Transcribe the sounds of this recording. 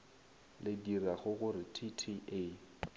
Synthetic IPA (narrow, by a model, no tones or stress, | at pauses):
lɪdiraɣʊɣʊɾɪtʰitʰiʔe